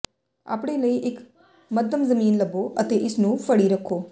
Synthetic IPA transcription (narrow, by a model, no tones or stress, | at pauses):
a̰ːpɽ̃eːləiːʔɪk | məd̪əmzəmiːnləboːʔət̪eːʔɪsnũːfʰəɽiːɾəkʰːoː